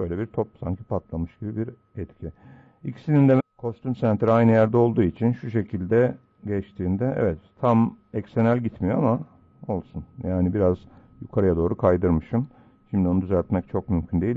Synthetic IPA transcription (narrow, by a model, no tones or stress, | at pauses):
bøjlʲɛbiɾt̪ʰop̚sa̰ɲcʰipat̪lˠamɯʃɟ̥ibibiɾ | ɛt̪cʰi | icʰi̥sinind̪ɛkʰo̞st̪ymsænt̪ɾiajnɯjæɾd̪ɛo̞lˠd̪uːit͡ʃʰinʃuʃ̬e̞cʰilʲd̪ɛ | ɟɛt͡ʃt̪ʰiːnd̪ɛɛ̰vɛt̪ʰːamɛcsenælʲɟit̪mijo̞ama | o̞lˠsunjaːnibiɾazjukʰaɾɯjad̪o̞ːɾukʰajd̪ɯɾmɯʃɯm | ʃimd̪io̞nud̪yzælʲt̪mɛc̚t͡ʃʰo̞kmymcʰynd̪eil